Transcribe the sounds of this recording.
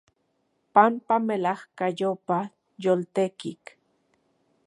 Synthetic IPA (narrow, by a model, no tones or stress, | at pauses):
pampamelahkajopa | jolt̪ekik